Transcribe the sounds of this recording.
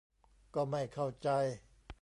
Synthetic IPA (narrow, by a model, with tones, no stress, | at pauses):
kɔː˥˩ma˥˩jkʰa˥˩wt͡ɕa˧j